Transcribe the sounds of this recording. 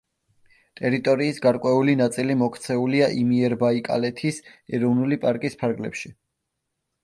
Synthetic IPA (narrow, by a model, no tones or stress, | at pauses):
t̪ʼɛɾit̪ʼɔɾiːsɡaɾkʼwɛulinat̪sʼilimɔkʰt̪sʰɛuliaʔimiɛɾbaikʼa̰lɛt̪ʰisɛɾɔvnulipʼaɾkʼispʰaɾɡlɛ̰pʃi